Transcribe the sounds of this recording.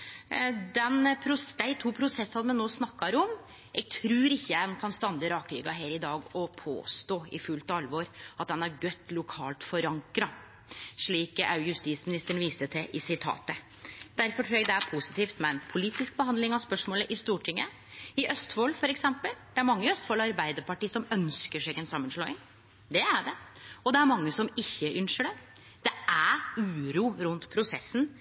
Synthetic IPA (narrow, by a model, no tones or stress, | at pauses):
d̪ɛnpʰɾʊsd̪æɪt̪ʰuːpʰɾʊsɛsɑd̪mɛnoːsnɑkːɑɾɔm | ʔɛɡ̚t̪ʰɾʉːɾɪçːəɛnkʰɑnst̪ɑnd̪əɾɑːkɾʏːɡɑɦeːɾɪd̪ɑːɡɔpʰo̰ːst̪oːɪ̰fʉlt̪ɑlʋoːɾʔɑt̪̚d̪ɛnæɾɡœt̪ːlʊkʰɑːlt̪fɔɾɑŋkɾɑ | ʂɭiːkɑ̰ʉjʉst̪iːsmɪnɪst̪əɳ̩ʋiːst̪ət̪ʰɪʔɪsɪt̪ʰɑ̰ːt̪ə | d̪̥æɾfɔʈʰɾuːjɛɡd̪ɛæɾpʰʊsɪ̥t̪iːft̪mɛnpʰʊliːt̪ɪsk̚bəhɑnd̪lɪŋɑʋspœʂmoːləʔɪst̪uːʈʰɪŋːə | ɪʔœst̪foːlfɔɾɛksɛmpəld̪̥ɛæɾmɑŋːəœst̪foːlɑɾbæɪd̪əɾpɑʈiːsɔmœnskəʂɛɡɛnsɑmːənʂɭoːɪŋ | d̪ɛæɖɛɔd̪ɛæɾmɑŋːəsɔmɪçːəʔʏnʂəɖɛ | d̪̥ɛæʉːɾuːɾʉnt̪pʰɾʊsɛsːn̩